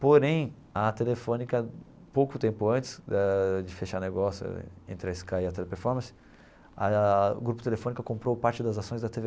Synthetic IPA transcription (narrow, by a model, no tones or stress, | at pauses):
poɾẽj̃ | ɐt̪elefõnikɐ | powkʊt̪ẽmpʊɐ̃nt͡ʃɪ̥sd͡ʒɪfeʃaɾneɡɔsjʊ̰ḛ̃nt̪ɾɪɐɪskajɐt̪elepeɾfɔɾmɐ̃sɪ̥ | ɐɡɾupʊ̥t̪elefõnikɐkõmpɾowpaɾt͡ʃɪd̪ɐzasõj̃zd̪ɐt̪eve